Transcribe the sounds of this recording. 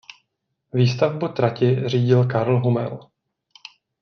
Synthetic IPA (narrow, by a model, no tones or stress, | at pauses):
viːst̪avbut̪ɾacɪr̝iːɟɪlkaɾl̩ɦumɛ̰l